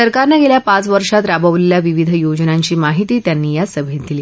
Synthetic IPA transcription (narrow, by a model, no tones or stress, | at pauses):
səɾkaɾnaɡeljapãt͡sʋəɾʂat̪ɾabəʋleljaʋiʋid̪ʱəjod͡znaɲt͡ɕiːmaɦit̪iːt̪janːiːjasəbʱet̪̚d̪iliː